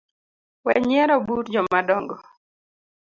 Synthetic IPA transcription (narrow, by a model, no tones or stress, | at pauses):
wɛɲɛɾɔbuɾd͡ʒɔmadɔŋɡɔ